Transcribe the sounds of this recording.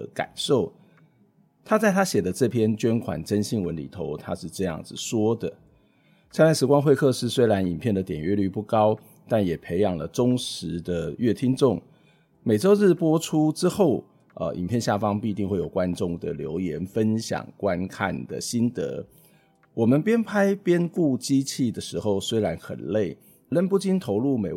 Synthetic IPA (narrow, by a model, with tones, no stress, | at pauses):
ka̰˨˩nʂo˥˩ʊ | t̪ʰa˥t͡sa˥˩ɪt̪ʰa˥ɕjɛ˨˩d̪ə˦ʈ͡ʂɤ˥˩pʰjɛ˥nt͡ɕɥɛ˥nkʰwa̰˨˩nʈ͡ʂə˥nɕi˥˩ŋwə˧˦nlḭ˨˩t̪ʰo˧˦ʊt̪ʰa˦˥ʂɻ̩˥˧ʈ͡ʂɤ˥˧jɑ̰˥˩ŋd͡zɹ̩˩ʂwɔ˥d̪ə˨ | sʰa˥na˥˩ʂɻ̩˧˥kwa˥nxwe˥˧ɪkʰɤ˥˧ʂɻ̩˥˩swe˥ɪɻa˧˦ni˨˩npʰjɛ˥˩nd̪ə˩t̪jɛ˨˩nɥɛ˥˧ly˥˧pu˥˩kɑ˥ʊ | t̪a˥˩njɛ˨˩pʰe˧˥ɪjɑ˨˩ŋlə˩ʈ͡ʂʊ˥ŋʂɻ̩˧˦d̪ə˧ɥɛ˥˩t̪ʰi˥ŋʈ͡ʂʊ˥˩ŋ | me˨˩ɪʈ͡ʂo˥ʊɻ̩˥˩pwɔ˥ʈ͡ʂʰu˦ʈ͡ʂɻ̩˥xo˥˩ʊ | ə̰˧˩ʔḭ˨˩mpʰjɛ˥˧nɕja˥˩fɑ˦ŋpi˥˧t̪i˥˧ŋxwe˥˩ɪjo˨˩ʊkwa˦nʈ͡ʂʊ˥˩ŋd̪ə̰˨˩ljo̰˧˥ʊjɛ˧˦nfə˦nɕjɑ̰˨˩ŋkwa˦nkʰa̰˥˩nd̪ə̰˩ɕi˥nt̪ɤ̰˧˦ | wɔ˨˩mə˨npjɛ˥npʰa˥ɪpjɛ˥nku˥˩t͡ɕi˥t͡ɕʰi˥˩d̪ə˩ʂɻ̩˧˥xo˥˧ʊswe˥ɪɻa˧˦nxə̰˨˩nle˥˩ɪ | lə˥npu˥˩t͡ɕi˥nt̪ʰo˧˥ʊlu˥˩me˨˩